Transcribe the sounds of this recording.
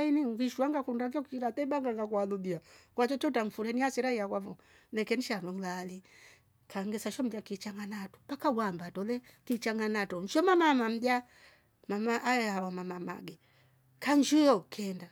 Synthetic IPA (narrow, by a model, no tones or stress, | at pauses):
iniŋviʃuaŋɡakundaɡɔkiɾatɛbaŋɡaŋɡakwalubiakwat͡ʃɔt͡ʃɔtaɱ̩fulɛniasiɾaijakwavɔ | lɛkɛniʃanuŋlali | kʰaŋɡɛsaʃɔm̩bjakit͡ʃaŋanatu̥pakaɡwambatɔlɛkit͡ʃaŋɡanatɔn̩ʃɔmamamam̩bja | mamaʔajɛawamamama̰ɡɛ | kaɲd͡ʒujɔkʰɛnda